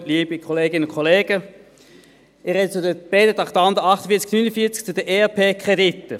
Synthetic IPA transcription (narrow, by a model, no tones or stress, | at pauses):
liːbikʰɔleːɡɪnəʊnkʰːɔleːɡ̥ə | ɪɾɛdət͡sudəb̥eːdətɑχtɑnd̪əɑχtəfiːɐt͡sknynəfiːɐt͡sk̚t͡sudəʔeːɑpʰeːkʰʁ̥edit̪ːə